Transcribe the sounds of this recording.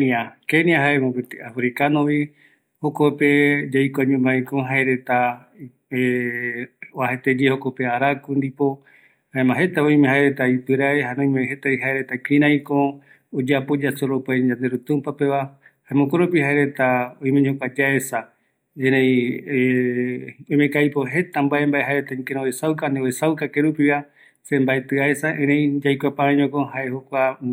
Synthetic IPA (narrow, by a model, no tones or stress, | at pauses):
niakeniaɦaemõbet̪iafɾikanõβi | hokoped͡ʒajkoaɲũbãj̃kõɦaeɾe̞t̪a | e | βaɦet̪ed͡ʒehokopeaɾakund̪ipo̞ | haemãɦe̞t̪aõj̃mẽhaeɾe̞t̪aipɨɾaeɦanõj̃meɦe̞t̪aiɦaeɾet̪akɾĩɾ̃ãj̃kõ | od͡ʒapod͡ʒasoɾopaɲãnd̪eɾut̪ũmpape̞ʋa | haemõkoɾopihaeɾe̞t̪aoj̃mẽɲokʷad͡ʒaesa | ẽɾẽĩ | ojmekajpoɦe̞t̪ambae̞mbae̞ɦaeɾet̪aĩkeɾ̃õwesawkanewesawkakeɾupiβa | sẽ̞mbaet̪ɨaesaʔẽɾẽj̃d͡ʒajkʷapãaɲõkohaehokʷa